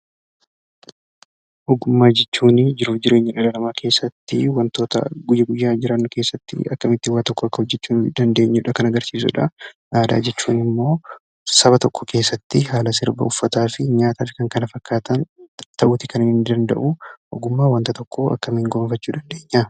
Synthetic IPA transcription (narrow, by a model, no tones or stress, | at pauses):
ʔɔɡʊmːaːd͡ʒɛt͡ʃːuːnɪd͡ʒɪɾuːfd͡ʒɪɾe̞ːɲːɐᶑɐlɐlɐmaːkʰe̞ːsːɐt̪ːɪwɐnt̪o̞ːt̪ɐ̰ɡʊjɐɡʊjːaːd͡ʒɪɾɐnːʊke̞ːsːɐt̪ːɪ̰ɐkːɐmɪt̪ːɪwaːt̪ɔkːɔɐkːɐhɔd͡ʒːɛt͡ʃːuːnd̪ɐnd̪e̞ːɲːʊᶑɐkɐnɐɡɐɾsiːs̬ʊ̰ᶑɐ | ʔaːd̪a̰ːd͡ʒɛt͡ʃːuːnɪmːo̞ː | sɐβɐt̪ɔkːɔke̞ːsːɐt̪ːɪɦaːlɐs̬ɪɾbɐ̰ʊfːɐt̪aːfɪɲaːt̪aːfɪkɐŋkɐnɐfɐkːaːt̪ɐnt̪ɐʔʊːt̪ɪkɐnɪnɪnd̪ɐnd̪ɐ̰ʔʊʔɔ̰ɡʊmːaːwɐnt̪ɐt̪ɔkːoɐ̰kːɐmŋɡoːnfɐt͡ʃːuːd̪ɐnd̪e̞ːɲːa